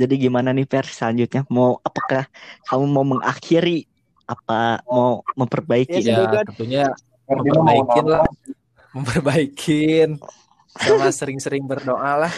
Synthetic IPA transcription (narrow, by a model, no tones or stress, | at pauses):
d͡ʒadiɡimananɪpɛrsəlaɲd͡ʒʊt̪̚ɲamauʔapakahkʰamumauməŋʔa̰kʰiɾi | apamauməmpərbaikɪnət̪uɲa | iəbaikɪnla | məmpərbaikʰɪn | masəɾɪŋsəɾɪŋbərdoʔalah